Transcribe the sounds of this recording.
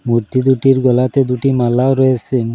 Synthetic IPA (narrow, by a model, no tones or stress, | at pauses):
muɾt̪id̪uʈiɾɡɔlat̪ed̪uʈimalːaoɾɔet͡ɕʰe